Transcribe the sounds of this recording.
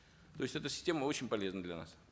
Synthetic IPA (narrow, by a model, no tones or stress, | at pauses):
t̪o̞ɪsʲtʲɛt̪əsʲɪ̥sʲtʲe̞məo̞t͡ɕɪnʲpɐlʲe̞znəd̪lʲɐna̰s